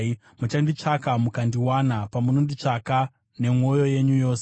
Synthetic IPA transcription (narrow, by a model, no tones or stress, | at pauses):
mut͡ʃandit͡ʂakamukandiwanapamunondit͡ʂaka | ne̞mwo̞jo̞je̞ɲujo̞ːse